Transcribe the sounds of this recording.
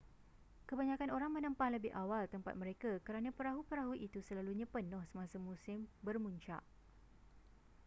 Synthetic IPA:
kəbaɲãkanoɾaŋmə̃nə̃mpahləbɪhʔawalt̪əmpa̰t̪̚mə̃ɾekakəɾanãpəɾaɦupəɾaɦuʔit̪usəlaluɲãpənʊhsəmãsamũsɪmbərmuɲt͡ʃa̰ʔ

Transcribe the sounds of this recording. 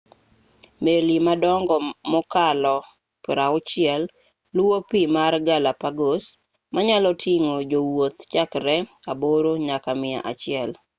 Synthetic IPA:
melimadɔŋɡɔmɔkalɔ | pɾaʊt͡ʃɪɛlː | wopimarɡalapaɡos | maɲalɔtʰiŋod͡ʒowot̪t͡ʃakɾɛaboɾoɲakamɪa̰ʔa̰t͡ʃɪɛl

